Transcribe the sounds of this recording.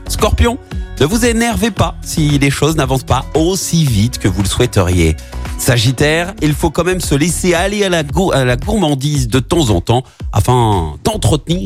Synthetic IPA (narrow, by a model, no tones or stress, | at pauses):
skɔʁpjɔ̃nəvuzenɛʁvepasileʃoznavɑ̃spaosivit̪kəvuləswɛt̪əʁjḛ | saʒit̪ɛːʁilfokɑ̃mɛmsəlesealealaɡualaɡuʁmɑ̃d̪izd̪ət̪ɑ̃zɑ̰̃t̪ɑ̃ | a̰fɛ̃d̪ɑ̃t̪χət̪niːʁ